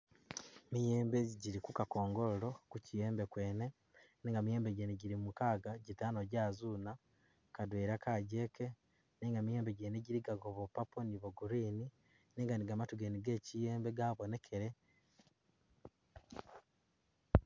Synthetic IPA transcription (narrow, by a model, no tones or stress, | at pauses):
mijeːmbe̞ɟiɾikukako̞ːŋɡoloɾo̞kucijeːmbekwe̞ːne̞ | neːŋɡamije̞ːmbeɟeneɟiɾimukaːɡaɟitaːnoɟaːzuːna | kadweːɾakaɟe̞ːke̞ | neːŋɡamijeːmbe̞ɟeneɟiɾiɡaɡoβopaponiβoɡuɾiːni | neːŋɡaniɡamatuɡeniɡe̞cijeːmbe̞ɡaβone̞kʰe̞ɾe̞